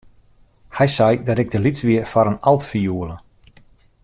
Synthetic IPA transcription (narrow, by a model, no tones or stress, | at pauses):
hɛjsɛjdɔɾɪɡ̚dəlit͡sʋiərfɔɾənɑlˠtfijuəlˠə